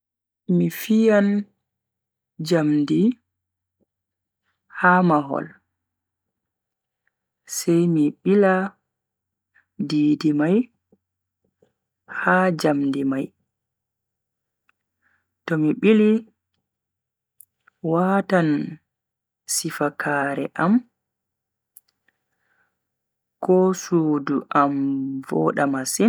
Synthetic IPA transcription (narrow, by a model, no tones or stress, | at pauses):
mifijan | d͡ʒamdi | hamaɦɔ̰l | sɛjmiɓila | diːdimaj | had͡ʒamdimaj | tɔmiɓili | watan | sifakʰaːɾɛ̰ʔam | kɔsuːduʔamvɔ̰ɗamasin